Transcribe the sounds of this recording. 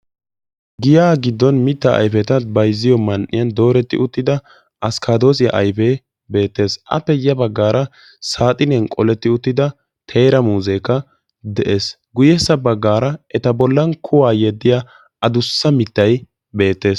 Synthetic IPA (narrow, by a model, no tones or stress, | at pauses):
ɡɪjaːɡɪd̪ːɔnmɪt̪ːɐʔɐ̰jfɛt̪ɐbɐjzɪjɔmɐnʔɪ̰jɐnd̪o̞ːɾɛt̪ːɪ̰ʔʊt̪ːɪd̪ɐ | ʔɐskʰad̪o̞ːs̬ɪjɐ̰ʔɐjfe | be̞ːt̪ːe̞ːsʔɐ̰pːɛjɐbɐɡːaːɾɐ | saːt̪ʼɪnɛnkʼɔlɛt̪ːɪʊt̪ːɪd̪ɐ | t̪ʰeːɾɐmuːzekːɐ | d̪ɛʔe̞ːs | ɡʊjɛsɐbɐɡːaːɾɐɛt̪ɐbɔlːɐnkʰʊwaːjɛd̪ːɪja | ɐd̪ʊsːɐmɪt̪ːɐj | be̞ːt̪ːe̞ːs